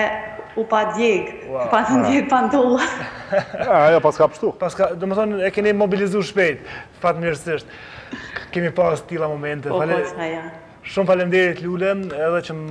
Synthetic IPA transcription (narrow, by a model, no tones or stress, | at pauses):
upad̪jeɡwapat̪ənd̪jeɡpand̪ɔlˠa | ajɔpaskapə̥ɾʃt̪upaskad̪ɔmɛθɔnɛkɛnɛmɔbilizuʃpɛjt̪ | fakt̪mɲəɾsəʃt̪ | kɛmipazt̪ilˠamɔmɛnt̪ɛfalaskaja | ʃumfalɛnd̪ɛɾət̪lulɐɛðɛt͡ʃə